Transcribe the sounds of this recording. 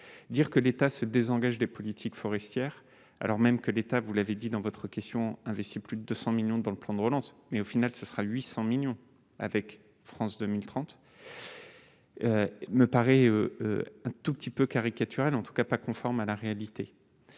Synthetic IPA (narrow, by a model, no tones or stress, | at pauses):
d̪iʁkəlet̪asəd̪ezɑ̃ɡaʒd̪epɔlit̪ʰikfɔʁɛst̪jɛːʁ | a̰lɔʁmɛmkəlet̪avulaved̪id̪ɑ̃vɔt̪χəkʲɛst̪jɔ̃ɛ̃vɛst̪iplyd̪əd̪øsɑ̃miljɔ̃d̪ɑ̃ləplɑ̃d̪əʁəlɑ̃smɛofinalsəsəʁaɥisɑ̃miljɔ̃ | a̰vɛk | fχɑ̃sd̪ømilt̪χɑ̃t̪ | øməpaʁɛøøɛ̃t̪upə̥t̪ipøkaʁikat̪ʰyʁalɑ̃t̪u̥kapakɔ̃fɔʁmalaʁealit̪ʰe